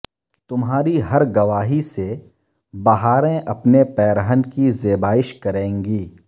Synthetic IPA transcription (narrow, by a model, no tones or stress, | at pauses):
t̪ʊmɦaːɾiɦɐɾɡɐʋaːɦise | bɐɦaːɾẽʔɐpnepɛːɾəɦənkizeːbaːɪʃkɐɾẽːŋɡiː